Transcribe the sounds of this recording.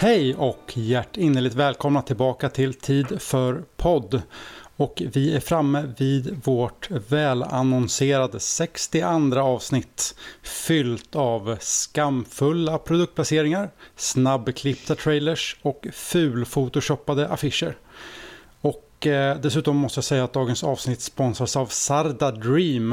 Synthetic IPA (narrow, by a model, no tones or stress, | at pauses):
hɛjɔkʰjæʈːɪnːəɭɪk̚t̪vɛːlkʰɔmnat̪ʰɪlbɑːkat̪ʰɪlt̪ʰiːd̪fœɾpʰɔd̪ːɔkvɪæɾfɾamːəvɪːd̪voʈvɛːla̰nɔnseːɾad̪əsɛkst̪ɪʔand̪ɾaɑːvsnɪt̪ːfʏlt̪avskamfɵlːapʰɾʊd̪ɵkt̪̚pʰlaseːɾɪŋaɾsnabːkʰlɪpd̪at̪ʰɾɛjləʂɔkfʉ̟ːlfut̪ʊɕɔpːad̪əʔafɪʂəɾ | ɔkd̪ɛsʉ̟ːt̪ɔmːɔst̪əjaːsɛjːat̪̚d̪ɑːɡənsɑːvsnɪt̪ːspɔnsasavsaɾd̪ad̪ɾiːm